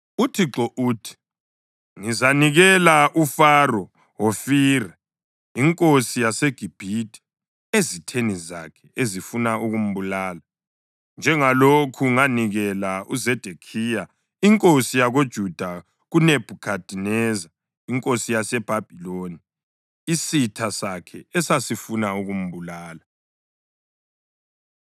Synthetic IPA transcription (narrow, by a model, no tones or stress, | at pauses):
utʰiǁɔʔuːtʰi̥ | ŋizaniɣɛlaʔufarɔ | wofiːrɛ | iŋkʼosijaseɡ̥ʱib̥ʱitʰi̥ | ezitʰeniza̰kʰɛ̥ezifunauɣum̩βulaːla | nd͡ʒʱɛŋalokʰuŋaniɣɛlauzɛd̥ʱekʰiːja | iŋkʼosijaɣod̥ʒ̥ʱud̥ʱa | ɣuneb̥ʱukʰad̥ʱinɛza | iŋkʼosijasɛb̥ʱab̥ʱiloni | isitʰasakʰɛ̰ɛsasifunauɣum̩βulaːla